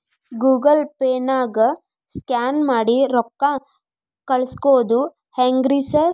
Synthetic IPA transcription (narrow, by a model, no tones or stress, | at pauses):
ɡuːɡɐlpeːnaːɡɐ | skaːnmaːɽiɾɔkːa | kɐɭskoːd̪u | heŋɡɾisɐɾ